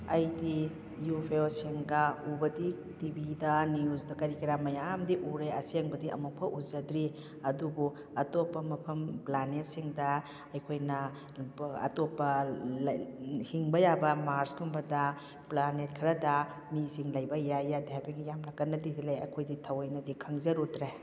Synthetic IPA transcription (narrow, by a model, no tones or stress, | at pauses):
ɐjdi | jupʰeosiŋɡɐubɐdi | tibidɐniuzdɐkɐɾikiɾamɐjamdiʔuɾeɐseŋbɐdiʔɐ̰muk̚pʰɐʔuzɐdɾi | ɐdubu | ɐtopːɐmɐpʰɐmplanet̚siŋdɐ | ɐjkʰojnɐ | ɐ̰topːɐlhiŋbɐjabɐmaɾsɡumbɐdɐ | planet̚kʰɐɾɐdɐ | misiŋlɐjbɐjajːadaabiɡijamlɐɡɐnːɐdizileɐkʰojditʰɐwɐjnɐdikʰɐŋzɐɾutɾe